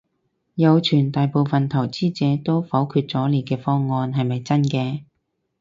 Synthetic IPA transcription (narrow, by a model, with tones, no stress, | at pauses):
jɐ˨˧wt͡ʃʰyː˨˩nt̪aː˨jpo˨˧wfɐ˨nt̪ʰɐ˨˩wt͡siː˥t͡sɛː˨˥t̪o˥wfɐ˨˥wkʰyː˧t̚t͡sɔː˨˥le˨˧kɛː˧fɔː˥ŋːɔː˧nɦɐ˨jmɐ˨jt͡sɐ˥nkɛː˧